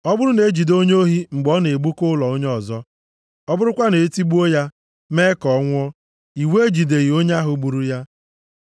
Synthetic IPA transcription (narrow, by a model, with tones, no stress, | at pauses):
ɔ˦bʊ˦ɾʊ˦ne˨˦d͡ʒi˨do˦ɲo˦ɦi˦ŋ͡m̩˨ɡ͡bɔ˦ne˨e˨ɡ͡bu˦kʊ˦lɔ˨o˦ɲ˦ɔ˨zɔ˦ | ɔ˦bʊ˦ɾʊ˦kʷa˦ne˨e˦ti˦ɡ͡bu˦o˦ja˦ | me˦kɔ˨˦ŋʷ˦ɔ˦ | i˨we˦e˦d͡ʒi˨de˨ɣi˨o˦ɲ˦a˦ɦʊ˨ɡ͡bu˨ɾu˦ja˦